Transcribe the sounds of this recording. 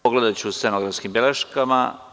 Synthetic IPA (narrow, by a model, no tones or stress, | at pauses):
oɡled̪at͡ɕuːsenoɡɾafskimbjeleʃkama̰